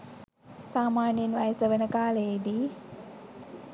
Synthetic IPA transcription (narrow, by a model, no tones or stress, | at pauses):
saːmaːnjənʋajəsəʋənəkaːləjed̪i